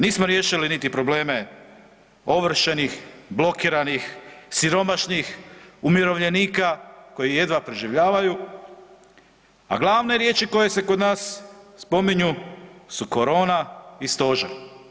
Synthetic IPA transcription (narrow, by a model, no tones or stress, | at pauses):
niːsmo̞ɾje̞ːʃilinit̪ipɾo̞ble̞ːme | o̞ʋr̩ʃenixblo̞kiːɾanixsiɾo̞maʃnixumjiɾo̞ʋʎe̞niːkako̞jije̞d̪ʋapɾeʒiʋʎaːʋaju | a̰ɡlˠaːʋne̞ɾje̞ːt͡ʃiko̞je̞se̞ko̞d̪naːsːpo̞miɲusuko̞ɾo̞ːnaist̪o̞ʒa